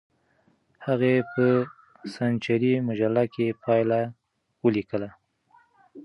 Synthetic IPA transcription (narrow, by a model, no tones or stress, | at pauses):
haɣepə | sant͡ʃaɾimʊʒalːakepʰɑjla | wəlikəla